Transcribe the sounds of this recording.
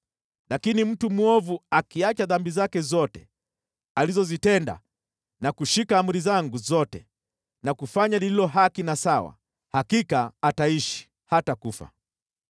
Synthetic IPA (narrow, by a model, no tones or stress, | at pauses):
lakinim̩tumuɔvuakiat͡ʃaðambizakɛzɔtɛ | alizɔzitɛnda̰ | nakuʃikaːmuɾizaŋɡuzɔtɛ | nakufaɲalililɔɦakinasawa̰ | hakikaːtaiʃi̥ | hatakufa̰